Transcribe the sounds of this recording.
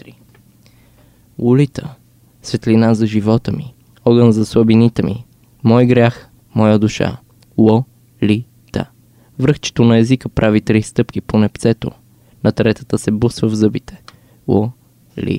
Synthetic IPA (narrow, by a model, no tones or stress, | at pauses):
ɾi | ulit̪ə | svɛt̪linazɐʒivɔt̪əmi | ɔɡənzɐswəbinit̪ɛmi | mɔjɡɾʲax | mɔjəd̪uʃa̰ | lˠɔ | li | t̪a̰ | vɾɤxt͡ʃɛ̥t̪onɐɛzikəpɾʔavit̪ɾist̪ɤpk̟iponɛpt̪sɛt̪o̰ | nɐt̪ɾɛt̪ə̥t̪əsɛbusvəvzɤbit̪ɛ̥ | lˠɔ | lḭ